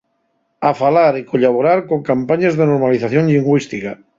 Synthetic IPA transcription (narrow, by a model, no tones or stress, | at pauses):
afalaɾikoʎaβ̞oɾaɾkoŋkampaɲazðenoɾmaliθaθjoŋʎiŋɡwist̪ika